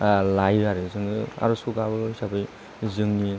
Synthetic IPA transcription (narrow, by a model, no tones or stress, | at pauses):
lajaɾɯzɯŋɯa̰ɾusuɡabɯɡɯsabɯj | zɯŋni